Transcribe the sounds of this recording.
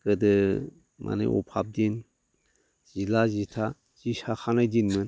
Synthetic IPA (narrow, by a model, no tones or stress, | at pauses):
kɯdɯ | mʔa̰nḛʔɔ̰pʰab̚din | z̥ilazitʰa | z̥isaxʰanajdinmɯn